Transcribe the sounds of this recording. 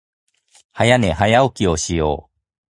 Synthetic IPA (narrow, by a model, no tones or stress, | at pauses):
hajaneɦajaokʲioɕijo̰ː